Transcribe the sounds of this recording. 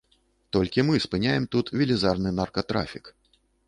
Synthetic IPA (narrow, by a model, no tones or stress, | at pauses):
t̪ɔlʲkʲimɨspɨnʲajɛmt̪ut̪vʲilʲizarnɨnɐrkɐt̪ɾa̰fʲik